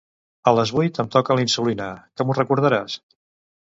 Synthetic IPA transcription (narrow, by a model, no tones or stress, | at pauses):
ələzβujt̪əmt̪ɔkəlinsulinakəmurəkuɾð̞əɾas